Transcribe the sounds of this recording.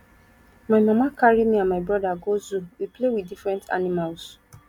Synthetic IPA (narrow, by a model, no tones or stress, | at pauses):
mamãmãkaɾimĩãmaɪbɾɔdaɡozuwiplewidifɾɛ̃ntʰa̰nĩmals